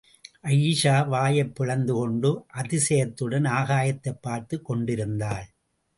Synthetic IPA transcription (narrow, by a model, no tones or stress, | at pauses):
ʔɐjːʂaːʋaːjɐpːɪɻɐnd̪ɯkɔɳɖɯʔɐðɪsɐjɐt̪ːɯɽɐnaːɣaːjɐt̪ːɐɪpːaːɾt̪ɯkːɔɳɖɪɾɯnd̪aːɭ